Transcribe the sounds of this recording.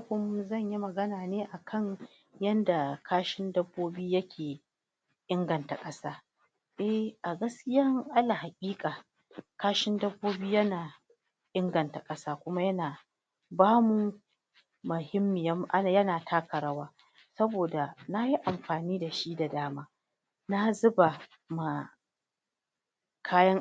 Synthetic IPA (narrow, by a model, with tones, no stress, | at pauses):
kʷʊ˦m˦zɐ˦˨ɲji˦mɐ˨ɡɐ˦naː˨neː˦ʔa˨kʰɐ˦˨ɲ | jɐ˦nda˨kʰaː˦ʃɪ˦ndɐ˦bːoː˦biː˦jɐ˦kʲʰeː˨ | ʔɪ˦ŋɡɐ˨nta˨kʼɐ˦saː˦ | ʔɛ˦hʔa˨ɡɐ˦skʲɪ˦jɐ˦ŋʔa˦la˨ha˨kʲʼiː˦kʼaː˨ | kaː˦ʃɪ˦ndɐ˦bːoː˦biː˦jɐ˦naː˨ | ʔɪ˦ŋɡɐ˨nta˨kʼɐ˦saː˦kʷʊ˦ma˦jɐ˦naː˨ | baː˦mu˦ | mʊ˨hɪ˦mːɪ˨jɐ˦mʔa˦˨jɐ˦naː˨tʰaː˦kɐ˨ɾɐ˦waː˦ | sɐ˦boː˨da˨na˦ji˦ʔa˨mɸaː˨niː˦da˨ʃi˦da˨daː˦maː˦ | na˦zʊ˦ba˨ | ma˨ | kʰaː˦jɐ˦ŋ